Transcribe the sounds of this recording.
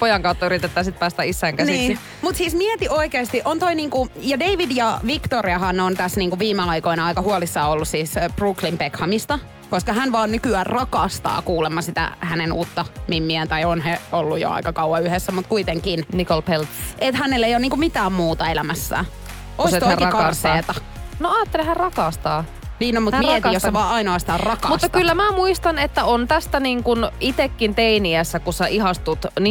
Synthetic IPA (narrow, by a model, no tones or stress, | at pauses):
pojɑŋkɑut̪ːɑyɾit̪et̪ːɑːsit̪̚pæːst̪æisːæːŋkæniːsi | mut̪siːsmiet̪iʔoikeːst̪iʔont̪oiniːŋkujɑdeiʋidjɑʋikt̪oɾiɑhɑnont̪æsniːŋkuʋiːmeɑikoinɑɑikɑhuolisːɑːolːussiːsb̥ruklimpekhɑmist̪ɑ | koskɑɦænʋɑːnnykyæːrrɑkɑst̪ɑ̰ːkuːlemːɑsit̪æ̰hænenuːt̪ːɑmimːiænt̪ɑionheolːujo̰ɑ̰ikɑkɑuwɑyhesːæmut̪kuit̪eŋkinnikolpelt̪ʔet̪hænelːejoːniːŋkumit̪æːmmuːt̪ɑelæmæsːæ̰ː | kost̪oikɑɑrseːt̪ɑ | noɑːt̪ːelehærrɑkɑst̪ɑː | niːnnomut̪ietːjoseʋɑːɑinoɑsit̪ɑrrɑkɑmusːɑk̪ylːæmæːmuist̪ɑnet̪ːæont̪æst̪æniːŋkunit̪ekːint̪einiæsːækussæʔiɦɑst̪ut̪ni